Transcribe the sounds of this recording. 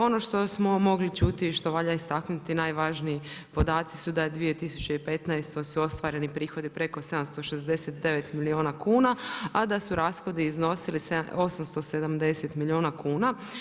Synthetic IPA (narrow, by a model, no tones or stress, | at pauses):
o̞no̞ʃt̪o̞smo̞mo̞ɡlit͡ʃut̪iʃt̪o̞ʋaʎaist̪aknut̪inaːjʋaʒniipo̞d̪aːt̪si̥sud̪ad̪ʋije̞t̪isut͡ɕe̞ipe̞t̪najst̪o̞suo̞st̪ʋaːɾe̞nipɾiːxo̞d̪ipɾe̞ko̞se̞d̪amst̪o̞ʃezd̪e̞set̪̚d̪e̞ʋe̞t̪milioːnakuːnaad̪asuɾaːsxo̞d̪iːzno̞siliseo̞samst̪o̞se̞d̪amd̪e̞set̪milioːnakuːna